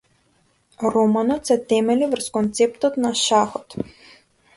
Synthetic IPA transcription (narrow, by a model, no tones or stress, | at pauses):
ɾɔmanɔt̪sɛt̪ɛmɛlivrskɔnt̪sɛpt̪ɔt̪naʃaxɔt̪